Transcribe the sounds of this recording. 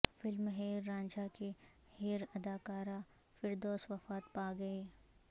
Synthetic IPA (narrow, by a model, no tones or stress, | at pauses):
fɪlmɦeːɾːãːnd͡ʒake | heːɾɐd̪aːkaːɾa | fɪɾd̪oːsʋɐfaːt̪paːɡɐeː